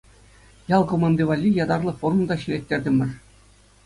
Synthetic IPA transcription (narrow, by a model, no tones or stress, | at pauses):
jɑlˠkomɑnd̪ʲiʋɑlʲːijɑd̪ɑrlˠɤ̆forumd̪ɑɕilʲetʲːerʲdʲɘ̆mʲɘ̆r